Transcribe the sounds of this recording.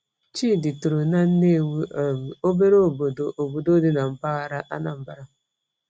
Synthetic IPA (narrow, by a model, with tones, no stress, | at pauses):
t͡ʃi˦˨dɪ˨tu˨ɾo˨na˦n̩˦ne˦˨wu˦˨m̩˨o˦be˦ɾe˦o˦˨bo˨do˨ʔo˨bo˨do˦dɪ˦na˨m̩˨ba˦ɣa˦ɾa˦ʔa̰˦na˨m̩˨ba˦ɾa˦